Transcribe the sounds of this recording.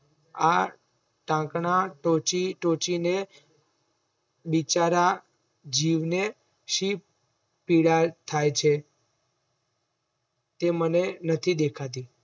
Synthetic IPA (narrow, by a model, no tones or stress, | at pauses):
a̰ | ʈãkɳaʈot͡ʃiʈot͡ʃine | bit͡ʃaɾa | d͡ʒiʋne | ʃip | pːiɽat̪ʰajt͡ʃʰe | t̪emənenət̪ʰid̪ekʰat̪i